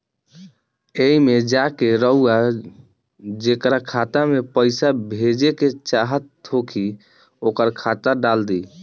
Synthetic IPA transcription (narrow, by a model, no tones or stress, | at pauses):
eimed͡ʒakeɾəɦua | d͡ʒekɾakʰat̪amepəɪsabʱed͡ʒeket͡ʃaɦət̪ʰːokʰi | okəɾkʰat̪aɖald̪i